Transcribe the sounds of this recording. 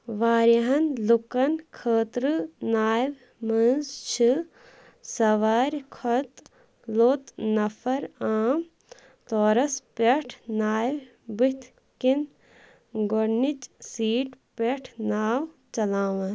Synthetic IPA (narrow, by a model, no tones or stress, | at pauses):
ʋaːɾɐɦɐnlukɐnkʰəːt̪ɾɨnaːjʋ | mɐnzt͡ʃʰɨ | sɐʋaːɾkʰɐt̪ | loːt̪nɐfʰɐɾaːm | t̪oːɾɐspeʈʰnaːw | bit̪ʰ | kin | ɡoɾnit͡ʃsiːʈpeʈʰnaːwt͡ʃɐlaːʋɐ